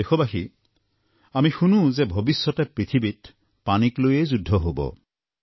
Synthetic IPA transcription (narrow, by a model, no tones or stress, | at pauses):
ekʰɔbaxi | amixunũzebʱɔbisːɔtɛpɹit̪ʰibit | paniklojejzudʱːɔɦobɔ̰